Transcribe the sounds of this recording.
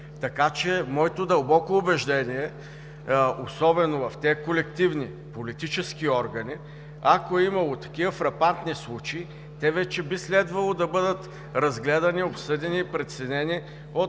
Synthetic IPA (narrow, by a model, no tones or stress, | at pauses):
t̪ɐkat͡ʃɛmɔɛt̪od̪ɐlˠbɔkoʊbɛʒd̪ɛniɛ | osɔbɛnovɐft̪ʲɛkolɛkt̪ivni | polit̪it͡ʃɛskiɔɾɡɐni | akoɛimɐlˠot̪ɐ̥k̟ivəfɾɐpant̪nislˠut͡ʃɛi | t̪ɛvɛt͡ʃɛbislɛd̪vɐlˠod̪ɐbɤd̪ət̪ | ɾɐzɡlɛd̪ɐniopsɤd̪ɛniːpɾɛt̪sɛnɛni | ot̪